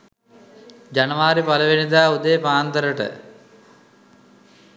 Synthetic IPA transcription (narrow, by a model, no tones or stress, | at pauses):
d͡ʑɐnɐʋaːɾipɐlɐʋinid̪aːud̪epaːnt̪ɐɾɐʈə̰